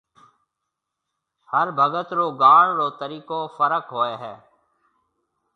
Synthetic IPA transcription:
həɾbʱəɡət̪ɾoːɡaːɳɾoːt̪əɾiːkoːfəɾəkɦoːeːɦɛː

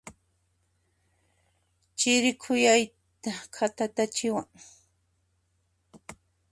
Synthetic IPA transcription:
t͡ʃɪɾɪkʰʊjaj | t̪akʰat̪at̪at͡ʃɪwaŋ

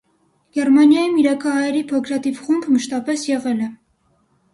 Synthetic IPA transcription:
ɡ̥ɛɾmɑnjɑjimiɾɑkʰɑɦɑjɛɾipʰɔkʰɾɑt̪ivχumbməʃt̪ɑpɛsjɛʁɛlɛ

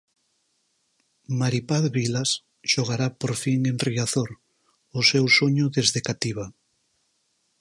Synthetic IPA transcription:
maɾipaðβilas | ʃoɣ̞aɾapoɾfiŋenriaθoɾ | ʊsewsoɲʊðezðekat̪iβa

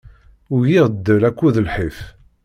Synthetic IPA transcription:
ʊʝiʁd̪ːəlækʷːuðəlħif

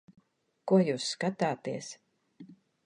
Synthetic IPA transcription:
kuɔjuːsːkat̪aːt̪iɛs

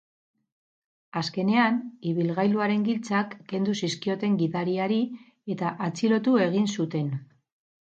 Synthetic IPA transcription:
aske̞ne̞aniβ̞ilɣajluaɾe̞ŋɡilt͡sakːe̞nd̪usiskio̞t̪e̞ŋɡiðaɾiaɾi | e̞t̪aʔat͡silo̞t̪ue̞ɣ̞insut̪e̞n

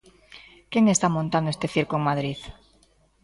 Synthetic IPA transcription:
keŋest̪amõnt̪and̪oest̪eθiɾkoeŋmaðɾið

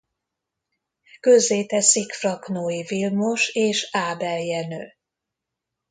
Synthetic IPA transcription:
kø̞zːeːt̪ɛsikfrɒknoːivilmoʃeːʃaːbɛljɛnøː

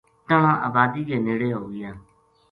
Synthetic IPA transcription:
t̪əɳãːʔaːbaːd̪iːɡeːneːɽeːɦoːɡɪjãː

